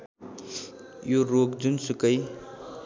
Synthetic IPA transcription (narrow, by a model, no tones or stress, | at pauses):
joɾokd͡zunsukəj